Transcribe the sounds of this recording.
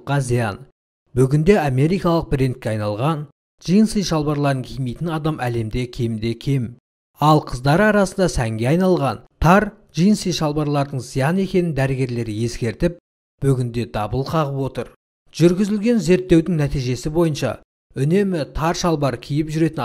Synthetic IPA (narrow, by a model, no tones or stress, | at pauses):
qːɑzijɑ̰n | bʏɡʲɪnd̪e̞ɑme̞ɾijkɑlˠəq̚bɾe̞nt̪̚kʲeɑjnɑlˠʁɑn | ʒ̥ijənsijʃɑlˠbɑɾlˠɑɾd̪əŋkʲʰijmejt̪ɪnɑd̪ɑmæle̞md̪e̞kʲʰed̪e̞kʲʰe̞m | ɑlˠqʰəzd̪ɑɾɑɾɑsənd̪ɑsæŋɡʲe̞ɑjnɑlˠʁɑnt̪ʰɑɾ | ʒijənsəjʃɑlˠbɑɾlˠɑɾd̪əɴzijɑne̞kʲe̞nɪnd̪æɾɪɡʲe̞ɾle̞ɾje̞skʲe̞ɾt̪ɪp̚ | b̥ʏɡʲɪnd̪e̞d̪ɑbəlˠqʰɑʁəpwo̞t̪əɾ | ʒ̥ʏɾɡʲɪzɪlɡʲe̞nze̞ɾt̪ːe̞wd̪ɪŋnæt̪ijʒe̞sɪbo̞jənʃɑ̰ | ʏne̞mɪt̪ʰɑɾʃɑlˠbɑɾkʲʰijɪpʒʏɾe̞t̪ɪn